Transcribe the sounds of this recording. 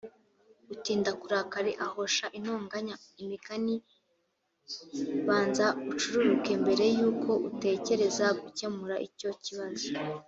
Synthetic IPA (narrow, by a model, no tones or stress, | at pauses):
utiːndakuɾakaɾeʔaho̞ʃaʔin̥oːŋɡaɲaimikani | βaːnzaut͡ʃuɾuɾuke̞mbe̞ɾe̞juːko̞ʔute̞ːce̞ɾe̞zaɡuce̞muɾaʔico̞ciβazo